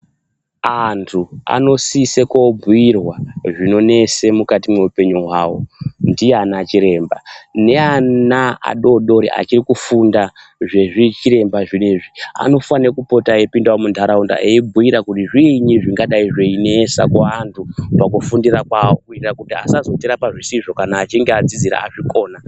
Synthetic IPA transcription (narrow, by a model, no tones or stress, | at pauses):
antʰua̰no̞siseko̞bʱuirwaʐino̞ne̞se̞mukatimwe̞upe̞ɲuɦwaːwo̞̰ndijeanat͡ʃiɾe̞ːmbane̞anaa̰ɗo̞ɗo̞ɾḭʔa̰t͡ʃirikufunda | ʐe̞ʐit͡ʃiɾe̞mbaʐineʐia̰no̞fanekupo̞tajepindawomundʱaɾaunda̰ʔeibʱujiɾakutiʐiɲiʐiŋɡaɗaiʐe̞inesa̰kaantʰupakufundiɾakwawirakutia̰sazo̞tiɾapaʐisiʐo̞kanaːt͡ʃiŋɡead͡zid͡ziɾa̰a̰ʐiko̞ːna